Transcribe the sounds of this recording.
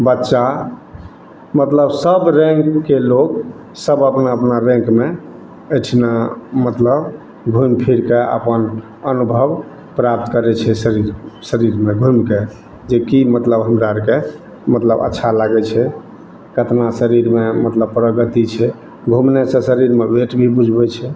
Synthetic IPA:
bətːʃa | mət̪ləbsəbɾẽŋkːeloɡ | səbəpnaəpnaɾẽŋkme | əʈʰnamət̪ləb | ɡʱumpʰiɾkeə̰pən | ənubʱəb | pɾap̚t̪kəɾɛt͡ʃʰɛsəɾiɾsəɾiɾmeɡʱumke | d͡ʒekimət̪ləbɦəmɾaɾke | mət̪ləbə̰tːʃʰalaɡɛt͡ʃʰɛ | kət̪nasəɾiɾmemət̪ləbpɾəɡət̪it͡ʃʰɛ | ɡʱumnesẽsəɾiɾmebeʈbʱibud͡ʒʱbɛt͡ʃʰɛ

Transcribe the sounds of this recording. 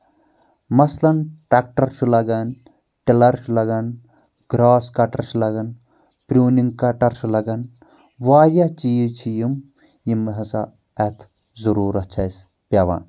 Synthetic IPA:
mɐslɐnʈɾak̚ʈɐɾt͡ʃʰulɐɡɐn | ʈilɐɾt͡ʃʰulɐɡɐn | ɡ̥ɾaːskɐʈɐɾt͡ʃʰulɐɡɐn | pɾʲuːniŋɡkɐʈɐɾt͡ʃʰulɐɡɐn | ʋaːjɐt͡ʃijit͡ʃʰijim | jimːɐɦɐsa̰ | ɐt̪ʰ | zuɾuːɾɐt͡ʃʰɐjs | pʲɐʋa̰ːn

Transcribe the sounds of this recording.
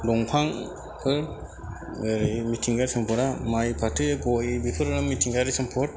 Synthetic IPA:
dɔŋpʰaŋ | kʰɯɾ | ɯɾimitʰiŋɡaɾsɯmpʰɔɾamajpʰatʰɯɡɔjbipʰɯɾɯɾamitʰiŋɡaɾisɯmpʰɔɾ

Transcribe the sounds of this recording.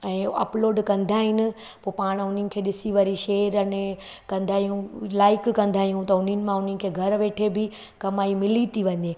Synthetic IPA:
ɛ̃ːɐ̰ploːɖkɐ̃nd̪ʱaːɦɪnɪ̆ | poːpaːɽ̃ʊn̤ənɪ̆kʰeːɗɪsiʋaːɾiʃeːɾɐne | kɐ̃nd̪ʱaːɦijũlaːɪkkɐ̃nd̪ʱaːɦijũt̪ɐʊnənɪ̆mãʊn̤ənɪ̆kʰeːɡʱɐɾʋeːʈʰebɪ | kɐmaːimɪlit̪ʰiʋɐ̃ɲeː

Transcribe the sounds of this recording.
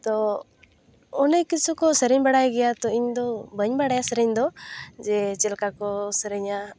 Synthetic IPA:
t̪ɔ | ɔnɛkisʰukɔsəɾəɲbaɽajɡɛjat̪ɔiɲd̪ɔbʱəɲbaɽajasəɾəɲd̪ɔd͡ʒɛt͡ʃɛlkakɔsəɾəɲa

